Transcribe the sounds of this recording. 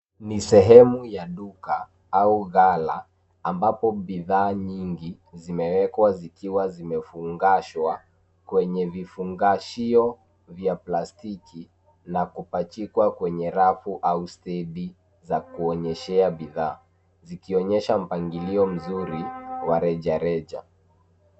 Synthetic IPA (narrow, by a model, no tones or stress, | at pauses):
nisɛɦɛmujaɗuka | auɣala̰ː | mbapɔɓiðaːɲiŋɡi | zimɛwɛkwazikiwazimɛfuŋɡaʃwa | kwɛɲɛvifuŋɡaʃiɔ | vjaplastikʰi | nakupat͡ʃikwakwɛɲɛɾafuʔaustɛɗi | zakuɔɲɛʃɛaɓiðaː | zikiɔɲɛʃam̩paŋɡiliɔm̩zuɾiwaɾɛʄaɾɛʄa̰